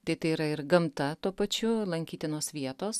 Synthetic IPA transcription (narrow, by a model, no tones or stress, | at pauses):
t̪ɐɪt̪ɐɪiɾɐɪɾɡɐmt̪ɐt̪uɔpɐt͡ʃʲʊlˠɐŋʲkʲiːt̪ʲɪnoːsʋʲiɛt̪oːs